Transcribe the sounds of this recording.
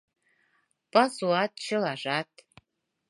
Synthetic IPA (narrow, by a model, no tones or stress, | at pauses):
b̥ʼazuat̚ʼt͡ʃʰɪlaʐʷatʼʰ